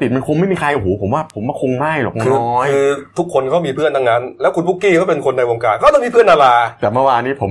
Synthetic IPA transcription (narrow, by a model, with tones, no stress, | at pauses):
t̪i˨˩t̪̚ma˧nkʰu˧nma˥˩jmiː˧kʰa˧jʔo˨˩ɦoː˩˦pʰo˩˦mwaː˥˩pʰo˨˩˦mwaː˧˥˩kʰo˧ŋma˥˩jlɔ̰ː˨˩k̚ɔ˧n˧ɔː˦˥jɯː˧t̪ʰu˦˥kʰːo˧nkʰɔː˥˩miː˧pʰɯ˥˩ənt̪ʰa˧ŋna˦˥nlɛː˦˥wkʰu˧npu˦˥kːiː˥˩kɔː˥˩pe˧nkʰo˧nːa˧jwo˧ŋkaː˧nkɔ˥˩t̪ɔ˥˩ŋmiː˧pʰɯ˥˩ənːaː˧laː˧t̪ɛː˨˩mɯ˥˩waː˧nːiː˦˥pʰo˩˦